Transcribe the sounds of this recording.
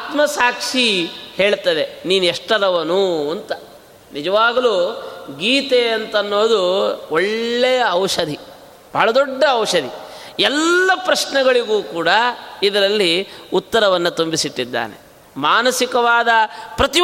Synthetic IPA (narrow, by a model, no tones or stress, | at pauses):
aːt̪mɐsaːkʂiheːɭt̪ɐd̪e̞niːnuɛʂʈɐɾɐʋɐnuːɐnt̪ɐ | nid͡ʒɐʋaːɡɐluːɡiːt̪eɐnt̪ɐnːoːd̪uoɭːɛjɐːwʂɐd̪ʱi | b̥ʱɐːɭɐd̪ɔɖːɐːwʂɐd̪i | ɛlːɐpɾɐʂɳɛɡɐɭiɡuːkuːɽɐid̪ɐɾɐlːiut̪ːɐɾɐʋɐnːɐt̪umbisiʈːid̪ːa̰ːnḛ | maːnɐsikɐʋaːd̪ɐpɾɐt̪i